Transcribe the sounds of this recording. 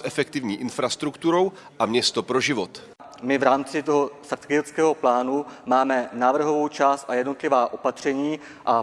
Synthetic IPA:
ʔɛfɛkt̪ɪvɲiːʔɪnfɾast̪ɾukt̪uɾo̞w | ʔamɲɛst̪opɾoʒɪvot̪ | mɪvɾaːmt͡sɪt̪o̞ɦo̞sr̩t̪kɪɛskɛːɦo̞plaːnumaːmɛnaːvr̩ɦo̞vo̞wt͡ʃaːst̪ʔajɛdno̞t̪lɪvaːʔo̞pat̪r̝̥ɛɲiː | ʔa

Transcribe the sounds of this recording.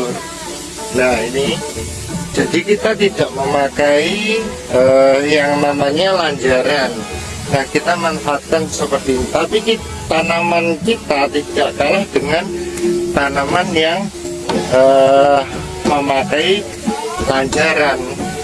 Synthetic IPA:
nahini̥ | d͡ʒadikit̪at̪idaʔməmakai | əjaŋmamaɲalaɲt͡ʃaɾanː | ahkit̪amanfaat̪̚kansəpərt̪init̪apiki | t̪anamant͡ʃit̪at̪id̥aʔkalahd̥əŋant̪anamanjaŋ | ə | məmakai | laɲt͡ʃaɾan

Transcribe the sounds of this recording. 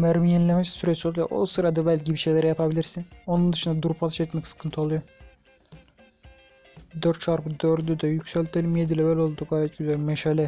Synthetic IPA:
mɛɾmijɛnlʲɛmɛssyɾɛt͡ʃolˠujo̰ʔo̰sɯɾad̪abælʲcibiʃejlʲɛɾɛjapʰabilʲiɾsino̞nund̪ɯʃɯnd̪ad̪uɾpʰat̪ɯʃɛt̪mɛksɯ̥kʰɯnt̪ʰɯolˠujo | d̪øɾt̪t͡ʃʰaɾpɯd̪øɾd̪yd̪ɛjycʲsɛlʲt̪ʰelʲimjed̪ilʲɛbɛlʲo̞lˠd̪uɡaːjɛt̪̚ɟyzælʲmɛʃalʲɛ

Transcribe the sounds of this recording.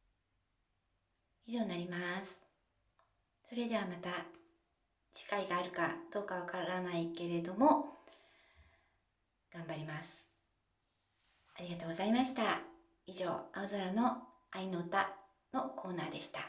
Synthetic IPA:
iʑo̞ːɲinaɾʲimasɨ̥ | so̞ɾe̞d̪e̞β̞amat̪a | d͡ʑi̥kaiɡaːɾɯ̟kad̪̥o̞ːkaβakaɾanaike̞ɾe̞d̪o̞mo̞ | ɡ̥ãmbaɾʲimasɨ̥ | aɾʲiɡat̪o̞ːɡo̞zaimaɕi̥t̪a | iʑo̞̰ːaɯzoɾano̞ | aino̞t̪a | no̞kʰo̞ːnaːd̪e̞ɕi̥t̪a

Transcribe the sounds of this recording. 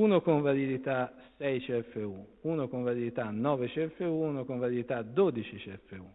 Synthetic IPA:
unokoɱvalid̪it̪asɛjt͡ʃiɛfːeuuːnokoɱvalid̪it̪anːɔːvet͡ʃiɛfːeuunokoɱvalid̪it̪ad̪oːd̪it͡ʃit͡ʃiɛfːeu

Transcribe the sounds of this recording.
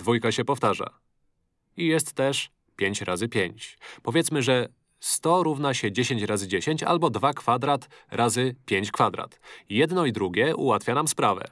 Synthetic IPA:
d̪vujkaɕɛpɔft̪aʐa̰ | ijɛst̪ːɛʂ | pʲjeɲt͡ɕɾazɘpʲjeɲt͡ɕpɔvʲjɛt̪smɘʐɛ | st̪ɔɾuvnaɕɛd͡ʑeɕeɲt͡ɕɾazɘd͡ʑeɕeɲt͡ɕa̰lbɔd̪vakfad̪ɾat̪ɾʔazɘpʲjeɲt͡ɕkfad̪ɾa̰t̪jɛd̪nɔid̪ɾuɡʲɛʔṵwat̪fʲjanamspɾavɛ̰

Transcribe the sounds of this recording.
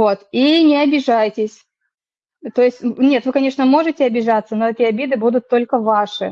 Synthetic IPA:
o̞t̪inʲɪɐbʲɪʐajtʲɪsʲ | t̪o̞jɪsʲtʲnʲe̞t̪vɨkɐnʲe̞ʂnəmo̞ʐɨtʲɪɐbʲɪʐat̪sːəno̞ɛtʲɪɐbʲid̪ɨbud̪ʊt̪ːo̞lʲkəvaʂɨ̰

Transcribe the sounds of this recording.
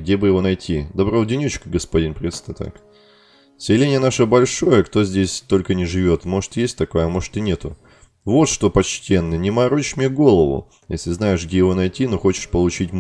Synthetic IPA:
ɡ̚dʲebɨjɪvo̞nɐjtʲid̪ɐbɾodʲɪnʲut͡ɕkəɡəspɐdʲinpɾʲɪt̪st̪ət̪a̰k | sʲɪlʲenʲɪjənaʂəbɐlʲʂo̞jəkt̪o̞zʲdʲesʲt̪o̞lʲkənʲɪʐɨvʲo̞t̪mo̞ʐɨ̥t̪jesʲtʲt̪ɐkajəmo̞ʐɨ̥t̪ɨnʲe̞t̪ʊ | vo̞t̪ʂt̪o̞pɐt͡ɕtʲe̞nːɨnʲɪmɐɾoɪmʲeɡo̞lˠəvʊ̰ | jḛsʲlʲɪznaɪʂɡdʲejɪvo̞nɐjtʲinoxo̞t͡ɕɪ̥ʂpəlˠʊt͡ɕitʲ

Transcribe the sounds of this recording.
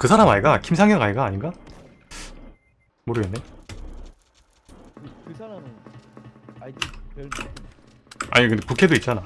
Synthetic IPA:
kɯsʰaɾamaiɡakʰimsʰaŋjʌŋaiɡaːɲiŋɡa | moɾɯɡenːe̞ | a̰ɲikɯnd̪epukʰe̞doit̚t͡ɕ͈ana

